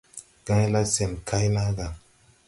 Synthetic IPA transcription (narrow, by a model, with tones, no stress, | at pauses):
ɡ̥ã˦jla˦sɛ˨mkʰa˦jla˦ɡa˨